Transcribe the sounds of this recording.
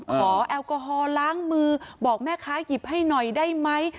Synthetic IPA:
kʰɔː˩˦˩ʔɛː˧wkɔ˧ɦɔː˧laː˦˥ŋmɯː˧bɔː˨˩k̚mɛː˥˩kʰaː˦˥ki˨˩p̚ha˥˩jnɔ˨˩jdaː˥˩jma˦˥j

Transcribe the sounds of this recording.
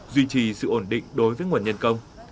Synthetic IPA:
zwi˧t͡ɕi˨˩sɨ̰˧˨ʔo˧˩nɗḭ˧˨ŋ̟ɗo˨˦jvəː˨˦jŋwaː˨˩nɲə˧nkə˧wŋ͡m

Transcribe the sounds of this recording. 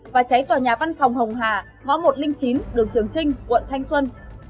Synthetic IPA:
vaː˨˩t͡ɕa˨˦jt̪waː˨˩ɲaː˨˩va˧nfɔ˨˩wŋ͡mɦə˨˩wŋ͡mɦaː˨˩ | ŋɔ˨˧˦nmo˨˩t̚lï˧ŋt͡ɕi˨˦nɗɨ˨˩əŋt͡ɕɨ˨˩əŋt͡ɕï˧ŋ̟kwə̰˧˨nt̪ʰa˧jŋ̟swə˧n

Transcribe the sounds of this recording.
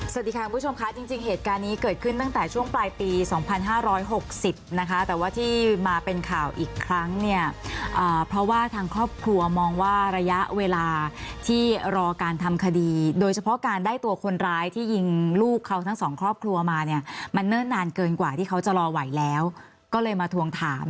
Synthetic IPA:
sa˨˩iː˧˩a˦ku˧pʰt͡ɕʰo˧mkʰa˦˥t͡ɕi˧ŋt͡ɕi˧ŋɦeː˨˩t̪̚kaː˧nːiː˦˥kɤː˨˩t̪̚kʰɯ˥˩nt̪a˥˩ŋt̪ɛː˨˩t͡ɕʰu˥˩əŋplaː˧jpiː˧sɔː˩˦ŋpʰa˧nɦaː˥˩ɾɔː˦˥jɦo˨˩k̚si˨˩p̚na˦˥kʰa˦˥t̪ɛː˨˩waː˥˩t̪ʰiː˥˩maː˧pe˧nkʰaː˨˩wʔiː˨˩kʰɾa˦˥ŋni˥˩ɐʔɤː˨˩pʰɾɔ˦˥waː˥˩t̪ʰaː˧ŋkʰɾɔː˥˩p̚kʰɾu˧ɐmɔː˧ŋwaː˥˩ɾa˧ja˦˥ʔweː˧laː˧t̪ʰiː˥˩ɾɔː˧kaː˧nt̪ʰa˧mkʰa˧diː˧doː˧jt͡ɕʰa˧pʰɔ˦˥kaː˧ndaː˥˩jt̪u˧ɐkʰo˧nɾaː˦˥jt̪ʰiː˥˩ji˧ŋluː˥˩kʰːa˦˥wt̪ʰa˦˥ŋsɔː˩˦ŋkʰɾɔː˥˩p̚kʰlu˧ɐmaː˧ni˦˥˩ɐma˧nːɯː˥˩nːaː˧nkɤː˧nkwaː˨˩t̪ʰiː˥˩kʰa˦˥wt͡ɕa˨˩ɾɔː˧wa˨˩˦jlɛː˦˥w | kɔː˥˩lɤː˧jmaː˧t̪ʰu˧əŋt̪ʰaː˩˦m

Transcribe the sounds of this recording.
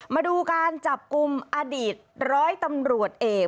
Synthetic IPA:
maː˧duː˧kaː˧nt͡ɕa˨˩p̚ku˧mʔaː˧diː˨˩t̪̚ɾɔː˦˥jt̪a˧mɾu˨˩ət̪̚ʔeː˨˩

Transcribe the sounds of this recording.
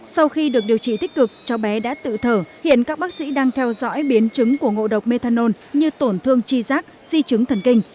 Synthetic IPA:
sa˧wxi˧ɗɨ˨˩ək̚ɗi˨˩əwt͡ɕḭ˧˨t̪ï˦˥k̟̚kɨ˨˩k̚t͡ɕɔ˧ɓɛ˨˦ɗa̰ː˧˥t̪ɨ̰˧˨t̪ʰəː˧˩hḭ˧˨ənkaː˦˥k̚ɓaː˦˥k̚sḭ˧˥ɗaː˧ŋt̪ʰɛ˧wzɔ̰˧˥jɓi˨˦ənt͡ɕɨ˨˦ŋku˧˩əŋo̰˧˨ɗə˨˩wk͡p̚me˧t̪ʰaː˧no˧n | ɲɨ˧t̪o˧˩nt̪ʰɨ˧əŋt͡ɕi˧zaː˦˥k̚zi˧t͡ɕɨ˨˦ŋt̪ʰə˨˩nkï˧ŋ̟

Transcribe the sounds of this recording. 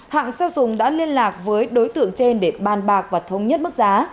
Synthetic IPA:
ha̰ː˧˨ŋsaː˧wzʊ˨˩ŋ͡mɗa̰ː˧˥li˧ənlaː˨˩k̚vəː˨˦jɗo˨˦jt̪ɨ̰˧˨əŋt͡ɕe˧nɗe˧˩ɓaː˨˧˩nɓaː˨˩k̚vaː˨˩t̪ʰə˨˦wŋ͡mɲə˦˥t̚m˦˥k̚zaː˨˦

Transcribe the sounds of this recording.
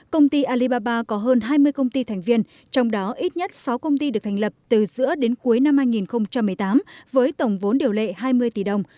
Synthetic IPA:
kə˧wŋ͡mt̪i˧ʔaː˧li˧ɓaː˧ɓaː˧kɔ˨˦ɦəː˧nɦaː˧jmɨ˧əjkə˧wŋ͡mt̪i˧t̪ʰɛ˨˩jŋ̟vi˧ən | t͡ɕɔ˧wŋ͡mɗɔ˨˦ʔi˦˥t̚ɲə˦˥t̚sa˨˦wkə˧wŋ͡mt̪i˧ɨ˨˩k̚t̪ʰa˨˩ŋlə˨˩p̚t̪ɨ˨˩zɨ̰˧˥əɗe˨˦nku˨˦jna˧mhaː˧jŋi˨˩nxə˧wŋ͡mt͡ɕa˧mːɨ˨˩əjt̪aː˨˦mvəː˨˦jt̪ə˨˩wŋ͡mvo˨˦nɗi˨˩əwlḛ˧˨ɦaː˧jmɨ˧əjt̪i˨˩ɗə˨˩wŋ͡m

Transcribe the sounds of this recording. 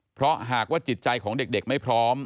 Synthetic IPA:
pʰɾɔ˦˥ɦaː˨˩k̚waː˥˩t͡ɕi˨˩t̪̚t͡ɕa˧jkʰɔː˩˦ŋde˨˩k̚de˨˩k̚ma˥˩jpʰɾɔː˦˥m

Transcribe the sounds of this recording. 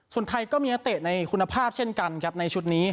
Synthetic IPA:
su˨˩ənt̪ʰa˧jkɔː˥˩miː˧ʔa˦˥t̪eː˨˩t̪̚na˧jkʰu˧nːa˧pʰaː˥˩p̚t͡ɕʰe˥˩nka˧nkʰɛ˦˥p̚na˧jt͡ɕʰu˦˥t̪̚niː˦˥

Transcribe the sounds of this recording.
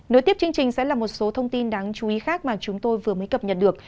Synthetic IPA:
no˨˦jt̪i˦˥p̚t͡ɕɨ˧əŋ̚t͡ɕï˨˩ŋ̟sɛ̰˧˥laː˨˩mo˨˩t̚so˨˦t̪ʰə˧wŋ͡mt̪i˧nɗaː˨˦ŋt͡ɕu˨˦i˨˦xaː˦˥k̚maː˨˩t͡ɕʊ˨˦ŋ͡mt̪o˧jvɨ˨˩əməː˨˦jkə˨˩p̚ɲə˨˩t̚ɗɨ˨˩ək̚

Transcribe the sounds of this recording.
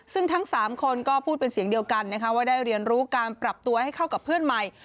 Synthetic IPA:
sɯ˥˩ŋt̪ʰa˦˥ŋsaː˩˦mkʰo˧nkɔː˥˩pʰuː˥˩pe˧nsi˩əŋdi˧əwka˧nːa˦˥kʰa˦˥waː˥˩daː˥˩jɾi˧ənɾuː˦˥kaː˧npɾa˨˩p̚t̪u˧ɐha˥˩jkʰa˥˩wka˨˩pʰːɯ˥˩ənma˨˩j

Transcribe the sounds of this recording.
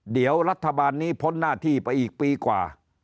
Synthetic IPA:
di˩˦əwɾa˦˥t̪ʰːa˧baː˧nːiː˦˥pʰo˦˥nːaː˥˩t̪ʰiː˥˩pa˧jʔiː˨˩k̚piː˧kwa̰ː˨˩

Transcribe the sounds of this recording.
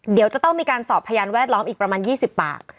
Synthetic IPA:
di˩˦əwt͡ɕa˨˩t̪ɔ˥˩ŋmiː˧kaː˧nsɔː˨˩pʰːa˧jaː˧nwɛː˥˩t̪̚lɔː˦˥mʔiː˨˩k̚pɾa˧maː˧njiː˥˩si˨˩pːa̰ː˨˩k̚

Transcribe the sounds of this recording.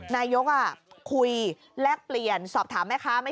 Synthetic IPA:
naː˧jo˦˥k̚ʔa˧˩kʰu˧j | lɛ˦˥˩k̚pli˨˩ənsɔː˨˩p̚t̪ʰaː˩˦ma˦˥jkʰa˦˥ma˥˩

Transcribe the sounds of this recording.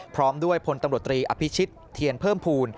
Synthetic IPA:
pʰɾɔː˦˥mdu˥˩əjpʰo˧nt̪a˧ɾt̪ːɾiː˧ʔa˧pʰi˦˥t͡ɕʰi˦˥t̪ʰːi˧ənpʰɤː˥˩mpʰuː˧n

